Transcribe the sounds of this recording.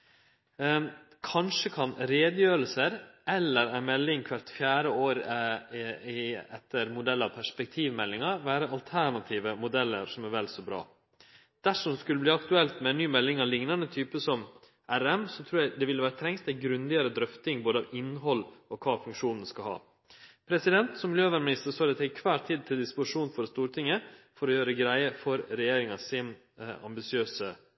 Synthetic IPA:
kʰɑnʂəkʰɑnɾeːd̪jøːɾəlsəɾʔɛlːəɾæmɛlːɪŋkʰʋæɾt̪fjæːɾəoːɾ | ɪɛt̪ːəɾmʊd̪ɛlːɑʋpʰæʂpɛk̚t̪ʰiːʋmɛlːɪŋɑʋæːɾəɑlt̪ʰæɳɑt̪ʰiːʋəmʊd̪ɛlːə̰ɾsɔmæɾʋɛlsɔbɾɑ̰ː | d̪̥æʂɔmskʉlːəbliːɑkt̪ʉɛlt̪mɛnyːmɛlːɪŋɑlɪŋnɑnət̪ʰyːpəsɔm | æɾɛmsɔt̪ʰɾuːɾjæɪd̪ɛʋɪlːəʋæːɾət̪ʰɾɛŋst̪ɛɡɾʉnd̪ɪɑɾəd̪ɾœft̪ɪŋboːd̪əɑʋɪnːɦɔlɔkʰɑːfʉŋkʂuːnnskɑhɑ̰ː | pʰɾɛsɪd̪ɛnt̪sɔmːɪljøːʋæɾmɪnɪst̪əsɑːd̪ɛt̪ʰɛɪkʰʋæːɾt̪ʰiːd̪̚t̪ʰɪld̪ɪspʊʂuːnfɔɾst̪uːɾʈʰɪŋːəfɔɾɔjøːɾəɡɾæɪəfɔɾɾɛjeːɾɪŋɑsɪn | ɑ̰mbɪsɪøːsə

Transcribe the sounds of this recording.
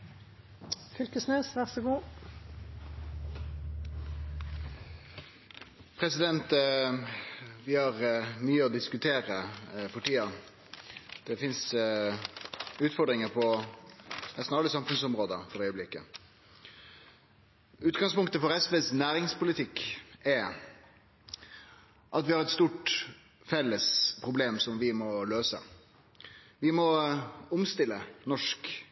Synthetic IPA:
fʏlkəsneːsʋæʁsəɡuː | pʰɾɛsɪd̪ɛnt̪ | ʋɪhɑʁmyːəɔd̪ɪskʉt̪ʰeːɾəfɔʈiːɑ | d̪̥ɛfɪns | ʉːt̪fɔɖ̪ʁɪŋəpʰɔ | nɛst̪nɑlːəsɑmfʉnsɔmɾoːd̪əfɔɾœʏəblɪkːə | ʉːt̪ɡɑŋspʊŋkt̪əfɔɾɛsʋeːsnæːɾɪŋspʊlɪt̪ʰɪkːɛɾ | ʔɑt̪ʋɪhɑɾɛt̪st̪uːʈ | fɛlːəspʰɾʊbleːmsɔmʋɪmɔløːsə | ʋɪmɔʊmst̪ɪlːənɔʂk

